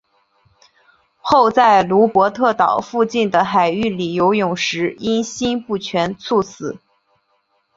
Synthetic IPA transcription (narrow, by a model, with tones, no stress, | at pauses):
xo˥˧ʊt͡sa˥˩ɪlu˧˥pwɔ˧˥t̪ʰɤ˥˩t̪ɑ˨˩ʊfu˥˧t͡ɕi˥˩nd̪ə˩xa˨˩ɪy˥˩li˨˩jo˧˥ʊjʊ˨˩ŋʂɻ̩˧˥i˥nɕi˥npu˥˩t͡ɕʰɥɛ˧˥nt͡sʰu˥˩t͡sʰɹ̩˨˩˦